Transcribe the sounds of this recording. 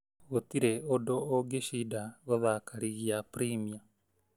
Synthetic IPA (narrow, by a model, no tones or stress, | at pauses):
ɣotiɾeodoːɡeʃidaɣoðakʰaɾiɣiapuɾimia